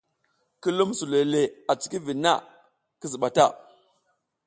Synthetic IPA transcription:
ki˦lu˦msu˨le˨le˨a˨t͡si̥˨˦ki˦vi˨nːa̰˦˨ | ki˦zi˨ɓa˨ta˦˨

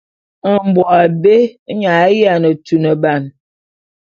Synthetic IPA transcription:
ə˨m̩˨bwɔ˨a˨be˦ɲa˨˦ja˨nə˨tu˨nə˨ba˨n

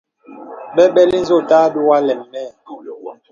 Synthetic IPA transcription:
ɓɛ˦ɓɛ˦li˦n̩˦zo˦˨taː˦du˦wa˦lɛ˨mːɛ˦˨

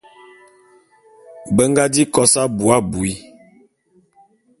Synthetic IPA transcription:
bə˦ŋɡa˦di˦kɔ˦sa˦bu˨a˦bu˨i˦

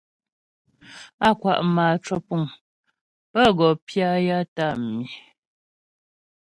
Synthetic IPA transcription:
a˦kwa̰˨ʔmaː˨t͡ʃɔ˦pu˨ŋ | pə˦ɡɔ˨pja˦ja˦ta˦˨mi˨

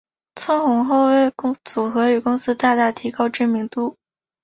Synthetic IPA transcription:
t͡sʰʊ˥nxʊ˧˥ŋxo˥˧ʊwe˥˩ɪkʊ˥t͡su˨˩xɤ˧˥y˨˩kʊ˥ŋsɹ̩˥t̪a˥˧t̪a˥˩t̪ʰi˧˥kɑ˥ʊʈ͡ʂɻ̩˥˩mi˧˥ŋt̪u˥˩

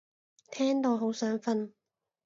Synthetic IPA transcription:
t̪ʰɛː˥ŋt̪oː˨˧ɦo˨˥wsœː˨˥ŋfɐ˧n

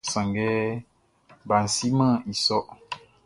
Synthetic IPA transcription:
sã˨ŋɡɛ˦ | ba˨n̩˨si˦mə̃˦i˨sɔ˦ʔ

